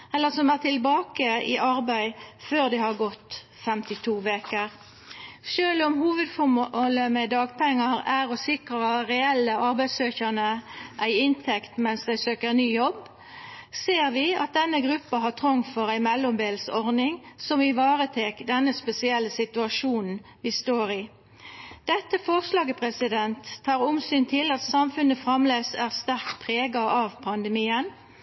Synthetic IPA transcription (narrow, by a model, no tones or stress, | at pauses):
ɛlːəsɔmæʁt̪ɪlbɑːkəɪ̰ʔɑʁbæɪføːʁd̪ɪhɑʁɡɔt̪ | fɛmt̪ɪt̪ʰuːʋeːkəʁ | ʃøːlɔmhuːʋəd̪fɔmɔləmɛd̪ɑːɡpʰɛŋːəɾæʁɔsɪkʁəʁɛɛlːəʔɑʁbæɪsøːçənəʔæɪɪnt̪ʰɛkt̪mɛnsd̪æɪsøːkəɾnyːjɔb | seːʁʋɪɑ̰t̪̚d̪ɛnːəɡʁʉpːɑɦɑt̪ʰʁɔŋfɔʁæɪmɛlːɔmb̪eːlsɔʁnɪŋsɔmɪʋɑːʁət̪ʰeːkd̪ɛnːəspɛsɪɛlːəsɪt̪ʉɑʃuːnn̩ʋɪst̪oːɾɪ | d̪̥ɛt̪ːəfɔʁslɑːɡəpʰʁɛsɪd̪ɛnt̪ʰːɑːʁʊmsyːnt̪ʰɪlɑt̪sɑmfʉnəfʁɑmleːsæːʁst̪æʁkt̪pʰʁeːɡɑʔɑʋpʰɑnd̪əmiːən